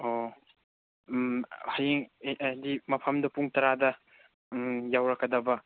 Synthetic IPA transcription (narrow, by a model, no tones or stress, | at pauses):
o | hajiŋdimɐpʰɐmdɐpuŋtɐɾadɐ | jawɾɐkːɐdɐbɐ